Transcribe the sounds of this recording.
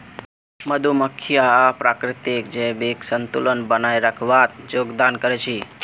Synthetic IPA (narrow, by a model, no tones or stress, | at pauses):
məd̪ʱuməkʰjapɾakɾɪt̪ikd͡ʒebiksənt̪ulənbənajɾəkʰʋat̪̚joɡd̪ankəɾɛt͡ʃʰi